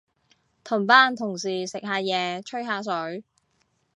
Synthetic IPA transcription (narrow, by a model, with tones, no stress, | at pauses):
t̪ʰʊ˨˩mpaː˧˥nt̪ʰʊ˨˩ŋsiː˨˩sɪ˨k̚haː˨˧jɛː˨˧t͡ʃʰɵ˥ɦaː˨˧s̬ɵ˨˥ɥ